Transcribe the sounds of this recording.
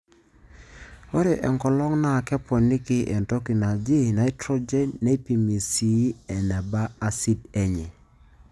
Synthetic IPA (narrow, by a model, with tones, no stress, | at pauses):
o˦ɾe˨ʔɛ˨ŋkɔ˨lɔ˦ŋna˦˨kɛ˦pɔ˨ni˦kɪ˦ʔɛ̰˨nto˦ki˨na˨d͡ʒi˦na˨i˦tɾo˦d͡ʒe˦nːe˦i˦pi˨mi˨si˨˦ɛ˨nɛ˨ba˦a˦si˦de˨ɲɛ˨